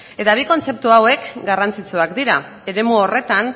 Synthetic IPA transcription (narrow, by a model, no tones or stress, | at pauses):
e̞t̪aβiko̞nt͡se̞p̚t̪uawe̞kɡarant͡sit͡suakd̪iɾa | e̞ɾe̞muore̞t̪an